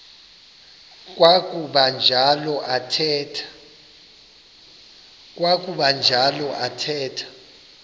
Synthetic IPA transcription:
k̬ʼwakʼuɓand͡ʒʱalɔʔatʰɛtʰ | k̬ʼwak̬ʼuɓand͡ʒʱalɔʔatʰɛːtʰḁ

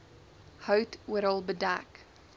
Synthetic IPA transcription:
həʊtwɛɾəlˠbədak

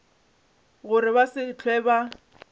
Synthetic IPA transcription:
ɣʊɾɪbasɪt͡ɬʰwɛːba

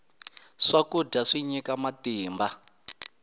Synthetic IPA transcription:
ʂakuɟaʂiɲikamatiːmba

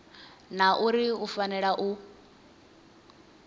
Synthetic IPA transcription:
naʔuɾiufanɛɺaʔu

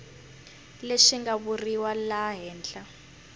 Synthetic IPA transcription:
leʂiŋɡaβuriwalaɦɛːnt͡ɬa

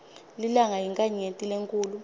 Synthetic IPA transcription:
lilaŋaɦiŋkʼaɲetʼileŋkʼuːlu

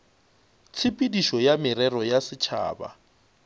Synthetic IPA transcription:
t͡sʰɪpʼidiʃɔjamɪɾɛrɔjasɪt͡ʃʰa̰ːba̰

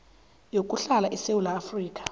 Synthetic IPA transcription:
jokʼuɬalaʔisewulaːfriːkʼḁ

